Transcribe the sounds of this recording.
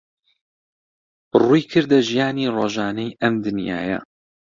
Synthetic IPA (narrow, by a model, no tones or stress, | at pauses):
bɨrujkʰɨɾd̪ɐʒijaːniːroːʒaːnɐjʔɐmd̪ɨnja̰ːjɐ̰